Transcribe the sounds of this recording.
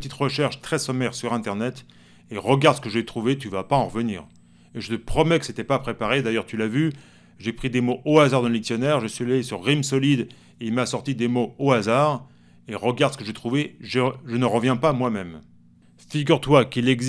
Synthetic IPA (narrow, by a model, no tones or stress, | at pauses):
ət̪it̪ʁəʃɛʁʃt̪χɛsɔmɛʁsyʁɛ̃t̪ɛʁnɛt̪ | eʁəɡaʁd̪sə̥kəʒɛt̪χuvet̪yvapaɑ̃ʁəvəniːʁ | eʒət̪əpχɔmɛkə̥set̪ɛpapχepaʁed̪ajœʁt̪ylavy | ʒepχid̪emoʔoazaʁd̪ɑ̃ləliksjɔnɛʁʒəsɥialesyʁːimsɔlid̪ | eilmasɔʁt̪id̪emooazaːʁ | eʁəɡaʁd̪sə̥kəʒet̪χuveʒəʒənəʁəvjɛ̃pamwamɛm | fiɡʲyʁt̪wakilɛɡz